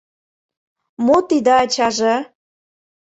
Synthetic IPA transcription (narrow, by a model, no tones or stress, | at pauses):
mot̪id̪əɑt͡ɕɑʒe